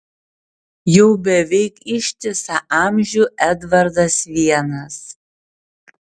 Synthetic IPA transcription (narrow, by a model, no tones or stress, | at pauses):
jɛʊbʲɛʋʲɛɪkɪʃʲt̪ʲɪsɐʔɑːmʲʒʲuʔɛd̪vɐɾd̪ɐsʋʲiɛnɐs